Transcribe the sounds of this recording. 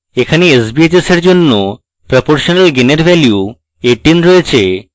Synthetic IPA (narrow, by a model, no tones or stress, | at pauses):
ekʰaneesbiet͡ɕeseɾd͡ʑonːo | pɾopoɾʃonalɡeneɾbɛlju | eʈinɾoet͡ɕʰe